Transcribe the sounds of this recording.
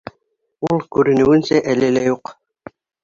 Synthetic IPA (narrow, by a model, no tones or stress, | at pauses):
ulˠkʉɾɘ̆nɘ̆wɘ̆nsæʔælɘlæjuq